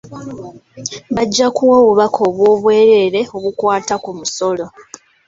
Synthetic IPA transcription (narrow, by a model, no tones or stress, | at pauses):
βaɟːakuwoːβuβakʰo̞ːβwoːβwe̞ːɾe̞ːɾe̞o̞βukwaːtakumuso̞lo̞